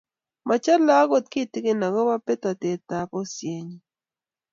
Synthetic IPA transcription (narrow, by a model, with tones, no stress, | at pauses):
mʔa˨t͡ʃa˦lla˦ko˨t̚ki˦˨ti˦ke˨na˨ɡɔ˦ba˦pe˦ta˨te˨ta˨pɔ˦sje˨ɲi˦